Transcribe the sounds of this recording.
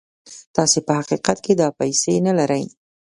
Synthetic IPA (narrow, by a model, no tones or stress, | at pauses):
t̪ɑsepəhaqiqat̪ked̪ɑpajsenalaɾəj